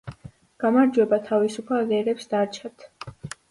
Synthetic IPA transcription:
ɡ̥amaɾd͡ʒwɛbat̪ʰavisupʰalɛɾɛpsd̪aɾt͡ʃʰat̪ʰ

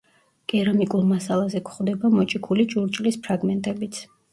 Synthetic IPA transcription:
ɡ̥ʼɛɾamikʼulˠmasalˠazɛkʰχd̪ɛbamɔt͡ʃʼikʰulit͡ʃʼuɾt͡ʃʼlispʰɾaɡmɛnt̪ʼɛbit̪sʰ

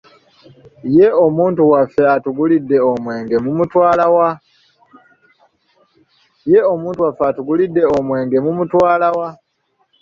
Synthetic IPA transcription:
jeo̞muːntuwafːe̞atuɡulidːe̞omwe̞ːŋɡe̞mumutwaːlawa | je̞o̞muːntuwafːeatuɡulidːe̞omwe̞ːŋɡe̞mumutwaːlawa

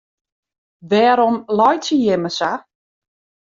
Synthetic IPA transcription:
ʋɛːɾɔmlɔjsəjɪməsa

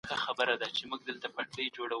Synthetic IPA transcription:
xəxabəɾad̪at͡ʃemuɡ̚d̪əlt̪apaʈəjd͡ʒoɽaw

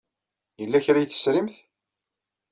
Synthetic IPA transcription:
jəlːæçɾæjθə̥sɾimθ

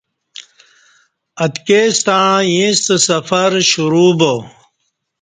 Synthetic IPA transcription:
ɐt̪keːst̪ãjĩst̪əsɐfɐɾɕuɾuːbo

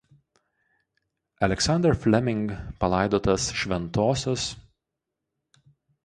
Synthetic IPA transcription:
ɐlʲɛksɑnd̪ʲɛɾfʲlʲɛmʲɪŋɡpɐlˠɑˑɪd̪oːt̪ɐsʃʲʋʲɛnt̪oːsʲos

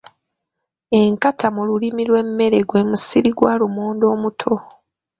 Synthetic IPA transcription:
e̞ŋkatʰamululimilwe̞mːe̞ɾe̞ɡwe̞ːmusiɾiɡwalumuːndo̞ːmutʰo

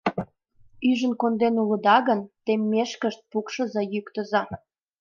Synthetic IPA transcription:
yʒə̆nkond̪enulə̆d̪ɑɣənt̪emʲːeʃkəʃt̪̚pukʃə̆zejykt̪əzɑ

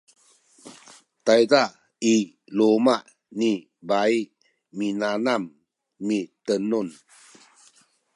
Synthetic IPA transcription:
t̪ajda | i | lomaʔ | ni | baiʔ | minanamː | it̪ənun

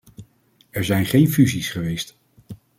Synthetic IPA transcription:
ɛɹzɛjnχejnfyzisχəʋejst

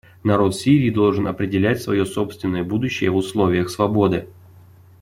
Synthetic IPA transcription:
nɐɾo̞t̪fsʲiɾʲiːd̪o̞lˠʐɨnɐpɾʲɪdʲɪlʲætʲsvɐ̰jo̞so̞pst̪vʲɪnːəjəbud̪ʊɕːɪjəvʊslˠovʲɪjəxsvɐbo̞d̪ɨ

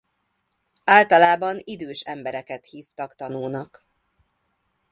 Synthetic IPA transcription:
aːlt̪ɒlaːbɒnid̪øːʃɛmbɛɾɛkɛt̪hiːft̪ɒkt̪ɒnuːnɒk

